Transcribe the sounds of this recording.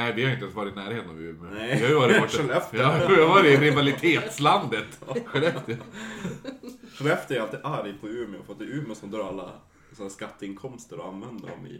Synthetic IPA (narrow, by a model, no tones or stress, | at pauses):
nɛɪʋɪhajʏɪnt̪ɛːnsvɑːɾɪt̪næːɾheːt̪əna̰vʉːmɪɪhaɾjʉʋɑːɾɪɔlɛfvɑːɾɪɾɪvalɪt̪ʰeːt̪sland̪ət̪ɧɛlɛt̪ | ʂɛlɛft̪əɾalt̪iaɾɪpʰɔʉːmɪɔ̰fɾat̪d̪ɛʉːmɪʊsɔmd̪œːɾalːa̰ | sɔnːskat̪ːəɪnkʰɔmst̪əɾɔa̰nvɛnd̪əɾɔ̰mɪ̰